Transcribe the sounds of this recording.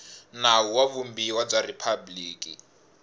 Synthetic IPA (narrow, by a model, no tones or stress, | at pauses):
nauwaβumbiwab͡ʐaripʰabliːkʼi